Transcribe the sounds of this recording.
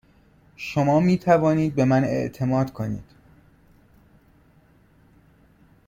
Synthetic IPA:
ʃomɒːmiːt̪ʰævɒːniːd̪̚be̞mæne̞̰ʔt̪ʰe̞mɒːd̪̥kʰo̞nḭːd̪̥

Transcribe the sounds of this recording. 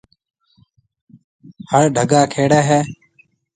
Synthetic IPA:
həɭɖʱəɡaːkʰeːɽɛːɦɛː

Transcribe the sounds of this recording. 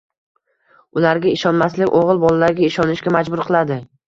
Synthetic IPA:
ʊlaɾɡʲaɪʃɒnmaslɪkʲoʁɨlˠbɒlalaɾɡʲaɪʃɒnɪʃkʲamad͡ʒbʊɾqʰɨlˠad̪ɪ

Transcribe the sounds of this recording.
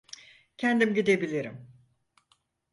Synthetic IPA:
cʰɛnd̪imɟid̪e̞bilʲiɾḭm

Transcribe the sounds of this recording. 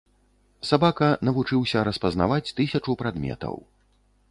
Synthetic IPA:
sabakɐnɐvut͡ʂɨwsʲɐɾɐspɐzna̰vat͡sʲt̪ɨsʲɐt͡ʂupɾad̪mʲɛ̰t̪ɐ̰w

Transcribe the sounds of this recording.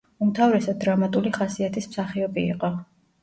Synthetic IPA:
umt̪ʰavɾɛsad̪d̪ɾamat̪ʼuliχasiat̪ʰismsaχiɔbḭːqʼɔ

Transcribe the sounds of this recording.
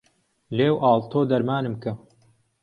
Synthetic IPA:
leːwʔɑːlˠt̪ʰoːd̪ɐɾmaːnɨmkɐ

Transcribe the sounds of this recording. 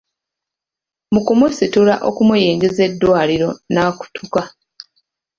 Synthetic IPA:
mukumusitula̰ʔo̞̰kumujiːŋɡize̞dːwaːliɾo̞naːku̥tʰuka

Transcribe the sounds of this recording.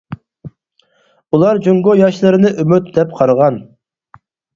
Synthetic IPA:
ulˠɑɾd͡ʒoŋɡojɑʃlˠɨɾɨnɨʔymyt̪̚d̪ɛpqʰɑɾʁɑn

